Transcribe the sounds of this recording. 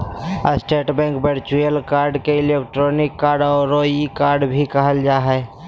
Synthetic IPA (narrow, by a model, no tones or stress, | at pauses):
əsʈeːʈbɛ̃ːŋkbeɾt͡ʃujəlkaːɾɖkeɪlek̚ʈɾonɪkːaːɾɖɔːɾoikaːɾɖbʱikəɦəld͡ʒaːɦɛ